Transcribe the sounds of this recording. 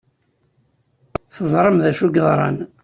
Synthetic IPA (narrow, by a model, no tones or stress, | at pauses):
θəzˤɾˤəmðæʃuɡðˤɾˤɑ̰n